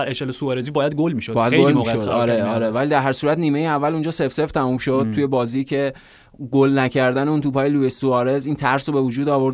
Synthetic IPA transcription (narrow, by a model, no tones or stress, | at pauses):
æɾeʃelesuɒɾezibɒːjæd̪̚ɡolmiːʃodbɒːjjæd̪eɡlolimoiʃod̪ɒːɾe̞ɒːɾevælid̪æɾɦæɾsuːɾæt̪niːmejeævːælund͡ʒɒːsefseft̪ʰæmumʃo̞d̪̥̚t̪ʰujebɒːziːcʰe̞ | ɡolnæcʰæɾd̪æneuːnt̪ʰuːpɒːjeluesuɒːɾe̞ziːnt̪ʰæɾsobe̞vud͡ʒuːd̪ɒːvo̞ɾd̪